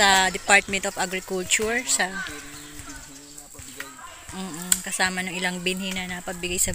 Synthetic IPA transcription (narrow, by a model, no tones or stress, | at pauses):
ɐd̪ɪpaɹt̪̚mɛnt̪ofɐɡɾɪkult͡ʃʊɹsɐ | m̩ːʔkɐsaːmɐnʊŋʔɪlaŋbɪnhinɐnɐpɐɡ̚bɪɡajsɐ